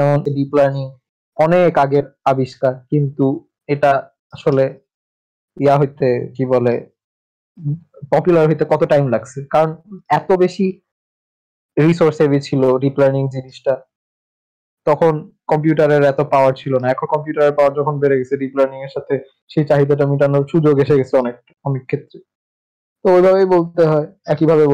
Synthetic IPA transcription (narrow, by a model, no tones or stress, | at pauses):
ɛmoneɾiplaɾniŋ | ɔnekaɡeɾabiʃkakint̪u | eʈa | aʃole | iaɦojt̪ekibole | pɔpjulaɾɦojt̪ekɔt̪oʈajmlaɡt͡ɕʰekaɾonɛt̪obeʃi | ɾisoɾsebit͡ɕʰiloɾiplaniŋd͡ʑiniʃʈa | t̪ɔkʰonkɔmpjuʈaɾeɾɛt̪opaoaɾt͡ɕʰilonaɛkʰonkɔmpjuʈaɾeɾpaoaɾd͡ʑɔkʰonbeɾeɡet͡ɕʰeɾiplaɾniŋeɾʃat̪ʰe | ʃejt͡ɕaɦid̪aʈ̬aamiʈanoʃud͡ʑoɡeʃeɡet͡ɕʰeɔnek̚ | ɔmekʰːet̪ːɾe | t̪oojbʱaβejbolt̪eɦɔeɛkibʱaβe